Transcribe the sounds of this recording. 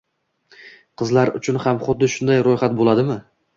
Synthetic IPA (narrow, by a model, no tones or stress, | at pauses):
qʰɨzlaɾʊ̰t͡ʃʰʊnhamχʊd̪ːɪʃʊnd̪ajɾojχat̪̚bolˠad̪ɪmɪ